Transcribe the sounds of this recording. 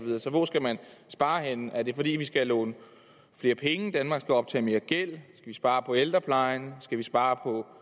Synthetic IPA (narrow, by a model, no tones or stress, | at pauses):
ʋiðˠɐsɒ̽ʋɒsɡ̥æmænsb̥ɑ̈ːɦenəæɐd̥e̝fɒ̽d̥ḭːʋisɡ̥ælɔ̰̽ːnə | fle̝ːɐpʰeŋəd̥ænmɑ̈ɡ̥sɡ̥æɒ̽b̥̚t͡sʰɛ̰ːme̝ːɐɡ̥el̰sɡ̥æʋisb̥ɑ̈ːpʰɒ̽eld̥ʁɐpʰlɑ̈ɪnsɡ̥æʋisb̥ɑ̈ːpʰɒ̽